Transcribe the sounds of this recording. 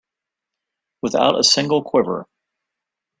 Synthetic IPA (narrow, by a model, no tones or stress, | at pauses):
wəθa̰ʊɾə̰sɪ̃ŋɡl̩ˠkʰw̥ɪvə̰˞